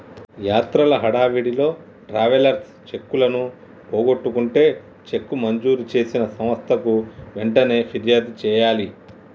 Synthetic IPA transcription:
jaːt̪ɾɐlɐɦɐɽaːʋiɽilo̞ː | ʈɾaːʋɐlɐɾt̪ʰ | t͡ʃe̞kːulɐnu | poːɡo̞ʈːukuɳʈe̞ː | t͡ʃe̞kːumɐɲd͡ʒuːɾut͡ʃe̞ːsinɐsɐmʋɐst̪ʰɐkuʋeɳʈɐne̞ːpʰiɾjaːd̪t͡ʃɛːjaːli

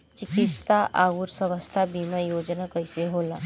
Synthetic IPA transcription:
t͡ɕikit̪st̪aʔauːɾsəʋəst̪ʰabiməjod͡znakəjseɦola

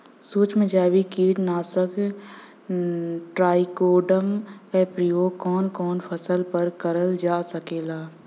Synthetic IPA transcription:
suːt͡ʃmẽd͡ʒaːʋikiːʈnaːsək | ʈɾaːikoːɖəmkepɾijoːkɔːnkɔːnpʰəsəlpəɾkəɾəld͡ʒaːsəkeːlaː

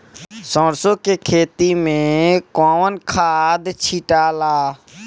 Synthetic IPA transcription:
sɔ̃ːɾsõkekʰeːt̪imẽkɔːʋənkʰaːd̪t͡ʃʰiʈaːlaː

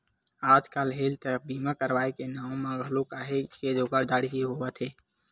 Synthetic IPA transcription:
aːd͡ʒkaːlɦeːlt̪əkbiːmakəɾwaːekenaːõmãbʱəlokaːɦeked̪oːɡaɾd̪aːɽkiɦoət̪ʰeː

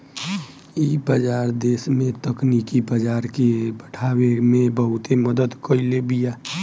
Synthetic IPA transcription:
iːbəd͡ʒaːɾd̪eːsmẽt̪əknikibəd͡ʒaːɾkebəʈʰawemẽbəɦʊt̪eməd̪əd̪kəilebijaː

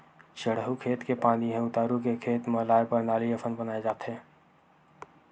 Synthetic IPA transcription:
t͡ʃəɽɦukʰeːt̪kepãːniɦɛ̃ʊt̪aːɾukekʰeːt̪mɐɦlaːepəɾnaːliəfʰənbənaːed͡ʒaːt̪ɦɛː

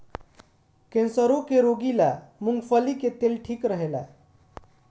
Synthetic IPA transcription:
kẽnsəɾokeɾoɡilamuŋɡfəliket̪elʈʰiːkɾəɦela

